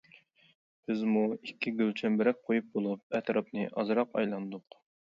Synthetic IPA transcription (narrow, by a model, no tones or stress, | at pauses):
b̥ɪzmuikʲʰːiɡʲølt͡ʃʰɛnbɪɾɛk̚ʲqʰojup̚bolˠup̚ɛt̪ʰɾɑpnɨʔɑzɾɑqɑ̰jlˠɑnd̪ʊq